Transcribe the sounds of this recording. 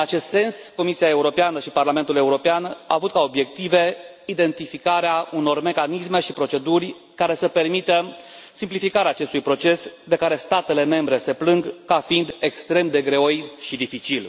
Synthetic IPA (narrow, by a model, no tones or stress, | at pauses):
ɨnat͡ʃe̞st̪se̞nsko̞misiae̞uɾo̞peanəʃiparlament̪ule̞uɾo̞peana̰avut̪̚kao̞bje̞kt̪ive̞ | id̪e̞nt̪ifikaɾeauno̞rme̞kanisme̞ʃipɾo̞t͡ʃe̞d̪urʲ | kaɾe̞səpe̞rmit̪əsimplifikaɾeaːt͡ʃe̞st̪ujpɾo̞t͡ʃe̞sd̪e̞kaɾe̞st̪at̪e̞le̞me̞mbɾe̞se̞plɨŋɡkafind̪e̞kst̪ɾe̞md̪e̞ɡɾe̞ojʃid̪ifit͡ʃil